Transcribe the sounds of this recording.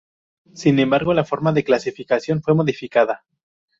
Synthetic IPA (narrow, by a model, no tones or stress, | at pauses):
sinẽ̞mbaɾɣo̞lafo̞ɾmaðe̞klasifikasjo̞nfwe̞mo̞ðifikaða